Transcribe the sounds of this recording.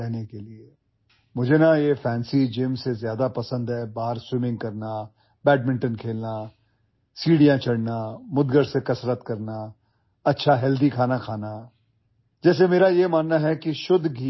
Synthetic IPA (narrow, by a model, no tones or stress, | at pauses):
ɾɛɦnekelie | mʊd͡ʒʱenajefʰɛːnsid͡ʒeːmsezjaːd̪apɐsə̃nd̪ɦɛːbaːɦəɾswɪmɪ̃ŋɡ̚kɐɾna | bɛːʈ̚mɪ̃ɳʈənkʰeːlna | siːɽijãt͡ʃʰɐɽnamʊd̪ɡəɾsekɐsɾət̪kɐɾna | ɐtːʃʰaɦɛld̪ikʰaːnakʰaːna | d͡ʒɛːs̬emeːɾajemaːnːaɦɛkiʃʊd̪ɡi